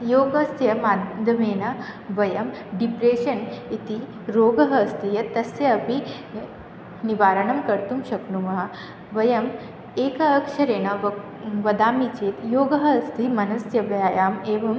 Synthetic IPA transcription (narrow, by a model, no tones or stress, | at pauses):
joːɡɐst̪jɐmaːd̪ʱɐmeːnɐʋɐjɐm | ɖipɾeːʃɐnit̪i | ɾoːɡɐɦɐːst̪ʰijɐt̪ɐsjɐɐpi | niʋaːɾɐɳɐmkɐɾt̪umʃɐknumɐɦɐ | ʋɐjɐm | eːkɐːkʂɐɾeːnɐʋ | ʋɐd̪aːmit͡ʃeːt̪joːɡɐɦɐst̪ʰimɐnɐsjɐʋjaːjaːmeːʋɐm